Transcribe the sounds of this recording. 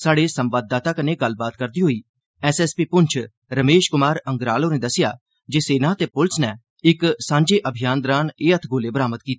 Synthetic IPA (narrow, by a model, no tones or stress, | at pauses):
saːɽeːsə̃mʋaːd̪ːaːt̪aːkəneːɡəlːbaːt̪kəɾd̪iːɦoːiː | ɛːsɛspiːpʊɲt͡ʃʰ | ɾəmeːʃkʊmaːɾə̃ŋɡɾaːloːnẽːd̪əsɪjaː | d͡ʒeːseːnãːt̪eːpʊlsnɛː | ɪksãːɲd͡ʒeːʔəbʱɪjaːnd̪ɾãːneːət̪ʰɡʱoːleːbəɾaːmət̪kiːt̪e